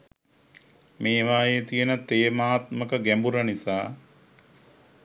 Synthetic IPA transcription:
meːʋaːjet̪ijənət̪eːmaːt̪məkəɡæmbuɾənisaː

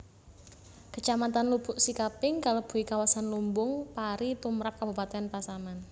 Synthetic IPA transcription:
kət͡ʃamat̪anlub̥ʊʔsikapɪŋkalob̥ṳikawasanlumbʊŋpaɾit̪umɾap̚kab̥ṳpat̪eanpasaman

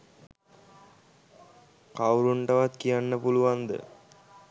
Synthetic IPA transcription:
kawɾuɳɖɐʋat̪kijanːɐpuluʋand̪ə̰

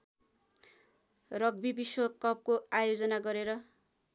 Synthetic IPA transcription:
rʌɡbibiswʌkʌp̚koajod͡zʌnaɡʌɾeɾʌ

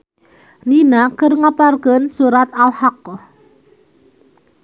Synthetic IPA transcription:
ninakərŋaparkɔnsuɾat̪alhak̚ɔ

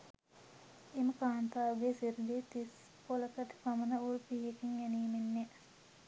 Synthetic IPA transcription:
eməkaːnt̪aːʋəɡesiɾd̪et̪is | poləkəʈ̪i̥pamənəulpiɦekiŋjɛniːmenːe

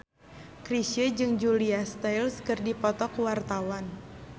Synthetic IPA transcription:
kɾisəd͡ʒɨŋd͡ʒuliast̪ajlskɨrdipɔt̪ɔkuwart̪awan

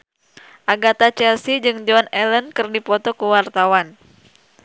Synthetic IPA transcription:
ʔaɡat̪at͡ʃɛlsid͡ʒɨŋd͡ʒɔnɛlənkɨrdipɔt̪ɔkuwart̪awan

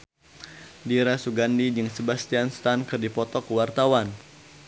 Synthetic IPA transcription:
diɾasuɡandid͡ʒɨŋsəbast̪ianst̪ankɨrdipɔt̪ɔkəwart̪awan

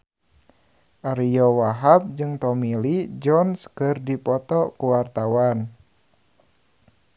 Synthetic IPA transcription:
ʔaɾijɔwaɦap̚d͡ʒɨŋt̪ɔmilid͡ʒɔnskɨrdipɔt̪ɔkuwart̪awan

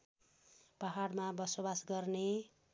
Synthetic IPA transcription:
paɦaɽmabʌsobasɡʌrne

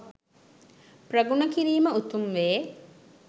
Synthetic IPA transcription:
prɐɡunəkiɾiːməut̪umʋeː

